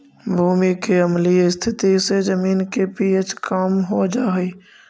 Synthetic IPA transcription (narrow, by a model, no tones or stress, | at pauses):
bʱuːmikeɐmliɪst̪ʰɪt̪isezɐmiːnkepiːet͡ʃkaːmɦod͡ʒaːɦiː